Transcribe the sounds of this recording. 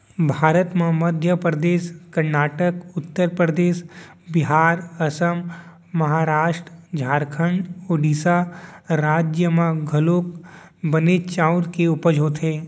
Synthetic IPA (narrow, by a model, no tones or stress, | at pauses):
bʱaːɾət̪mẽməd̪ʱjəpɾəd̪eːʃkɐɾnaːʈəkʊt̪ːəɾpɾəd̪eːʃ | bɪɦaːɾɐsəm | mɐɦaːɾaːʃʈɾd͡ʒʱaːɾkʰəɳɖoːɖiːsaɾaːd͡ʒjəmãɡʱɐloːkbənet͡ʃaʊɾkeʊpəd͡ʒʱoːt̪ɦẽː